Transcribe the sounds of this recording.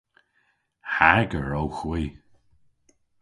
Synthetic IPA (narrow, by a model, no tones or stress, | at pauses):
haɡəɹowxwiː